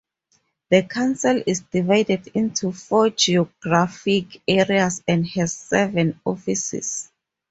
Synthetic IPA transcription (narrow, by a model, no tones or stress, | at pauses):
ðəkʰãnsilisd̥ivajdɛdĩntʰufɔd͡ʒiɔɡ̥ɹafikɛɹiasɛ̃ndhɛz̥ːɛvɛ̃nɔfisḭs